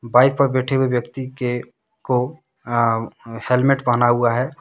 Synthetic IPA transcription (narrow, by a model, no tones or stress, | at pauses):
baːɪk̚pəɾbɛʈʰewebjəkt̪ike | ko | helmeʈbənauaɦɛ